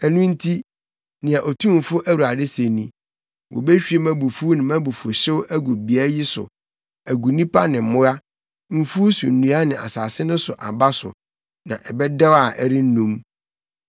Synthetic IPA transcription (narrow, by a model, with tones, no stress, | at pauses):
æ˨nũ˦n̩˦tʰi˦ | nɪ̃˨a˨ʔo˨tʰũ˦m˨fʊ˦ʔæ˦wu˨a˨dɪ˦se˨nĩ˦ | wʔɔ̰˨be˦ɕᶣɥe˨mæ̃˦bu˨fu˦nɪ̃˨mæ̃˦bu˨fo˨ɕɪ˦wʔæ˦ɡu˨bi˨æ˦ji˦sʊ̰˨ | æ˨ɡu˨nĩ˦pa˦nɪ̃˨m̩˨mʊ̃˦ɾa˦ | m̩˦fu˦su˨n̩˨nũ˦a˦nɪ̃˨ʔa̰˨saː˨sɪ˦nʊ̃˦sʊ˨ʔa˨ba˦sʊ̰˨ | nã̰˨ʔɛ˨bɛ˦dɛ˦wa˨ʔæ˨ɾi˦n̩˦nũ˦m